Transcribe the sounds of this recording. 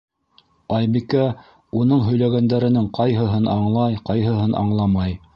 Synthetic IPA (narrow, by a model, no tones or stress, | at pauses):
ɑjbikæ | unɤɴɦɵ̆jlæɡænd̪æɾɘ̆nɘŋqɑjɦɤ̆ɦɤnɑɴlˠɑjqɑjɦɤ̆ɦɤnʔɑ̰ɴlˠɑmɑj